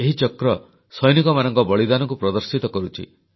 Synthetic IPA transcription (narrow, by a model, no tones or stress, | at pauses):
eɦit͡ʃɔkɾɔ | sɔjnikɔmanɔŋkɔbɔɭid̪anɔŋkupɾɔd̪ɔɾsit̪ɔkɔɾut͡ʃʰḭ